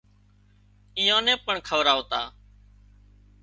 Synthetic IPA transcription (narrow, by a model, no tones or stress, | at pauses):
iːjãːnɛ̃ːpəɳkʰəʋɾaːoːt̪aː